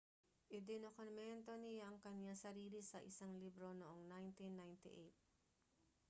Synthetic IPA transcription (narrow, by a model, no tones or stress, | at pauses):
ʔɪd̪ɪnokonmɛnt̪o̞nɪjaʔɐŋkɐɲɲasɐɾiːlɪsɐʔɪsaŋliːbɾo̞noʔoŋnajnt̪inːajnt̪ɪʔejt̪̚